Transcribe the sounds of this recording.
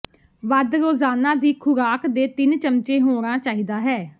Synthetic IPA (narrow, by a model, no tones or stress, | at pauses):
ʋəd̪ɾoːzaːnãːd̪iːkʰʊɾaːkd̪eːt̪ɪnt͡ʃəmt͡ʃẽːɦoːɾãːt͡ʃaːɦiːd̪aːɦɛː